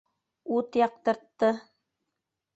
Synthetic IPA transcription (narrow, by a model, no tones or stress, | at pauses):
ut̪jɑq̚t̪ɤ̆ɾt̪ːɤ